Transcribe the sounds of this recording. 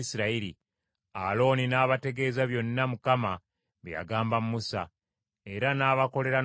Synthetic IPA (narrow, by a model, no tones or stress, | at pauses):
isiɾaiɾi | alo̞ninaːβate̞ɡe̞ːzaβjo̞nːamukama | βeja̰ɡaːmbamumusa | e̞ɾanaːβako̞le̞ɾa